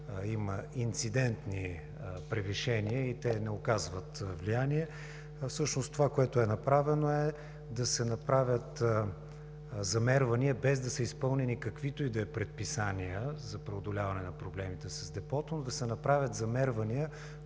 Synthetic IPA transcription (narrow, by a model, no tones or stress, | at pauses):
iməint̪sid̪ɛnt̪ni | pɾɛviʃɛniəit̪ɛnɛokazvət̪vlijaniɛ | fsɤʃnost̪ovakoɛt̪oɛnɐpɾavɛnoɛ | d̪ɐsɛnɐpɾavʲət̪ | zɐmɛɾvɐniəbɛzd̪ɐsəispɤlˠnɛnikɐkvit̪oid̪ɐɛpɾɛt̪̚pisaniəzɐpɾɛod̪olʲavɐnɛnɐpɾoblɛmit̪ɛsɐzd̪ɛpɔt̪onod̪ɐsɛnɐpɾavʲjət̪zɐmɛɾvɐniə